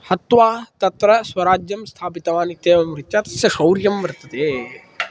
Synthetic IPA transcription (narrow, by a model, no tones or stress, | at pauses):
hɐt̪ʋaːt̪ɐt̪ɾɐswɐɾaːd͡ʒjɐmst̪ʰaːpit̪ɐʋaːnit̪eːʋɐmɾitːt͡ʃaːt̪ɐ̥sjɐkɐwɾjɐmʋɐɾt̪ɐt̪eː